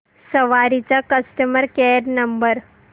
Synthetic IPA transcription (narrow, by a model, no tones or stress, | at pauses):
səʋaɾit͡sakəsʈəməɾkeɾnəmbəɾ